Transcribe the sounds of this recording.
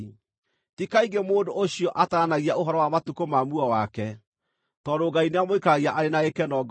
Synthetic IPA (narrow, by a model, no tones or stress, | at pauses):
tikaiɡemoːdooɕiɔʔataɾanaɣiaoɦɔɾɔwamatukomamuɔwakɛ | tɔdoɡaineamoikaɣiaʔaɾenaekɛnɔɡ